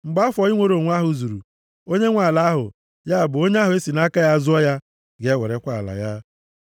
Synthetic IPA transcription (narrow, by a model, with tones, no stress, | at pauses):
ŋ͡m̩˨ɡ͡ba˦fɔ˨˦i˦ŋʷo˦ɾo˨ŋʷ˦a˦ɦʊ˨zu˨ɾṵ˨ | o˦ɲe˦ŋʷa˨la˦ɦʊ̰˨ | ja˦a˨bʊ˨o˦ɲe˦a˦ɦʊ˨˦e˦si˨na˦ka˦ja˦zʊ˦ɔ˦ja˦ | ɡe˨˦wḛ˨ɾe˦kʷa˦a̰˨la̰˨ja˦